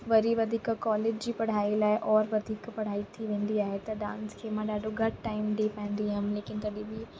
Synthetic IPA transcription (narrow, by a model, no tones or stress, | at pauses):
ʋɐɾiʋɐd̪ʱiːkkɔːleːd͡ʑd͡ʑiːpɐɽ̤aːilaːɦɪʔɔːɾʋɐd̪ʱiːkpɐɽ̤aːit̪ʰiʋẽːn̆d̪iaːɦet̪ɐɗã̰ːnskʰeːmãɗaːɖʱoɡʱɐɖ̚ʈaːɪmɖipãːɪ̃nd̪iɦamleːkɪnt̪ɐɗĩbɪ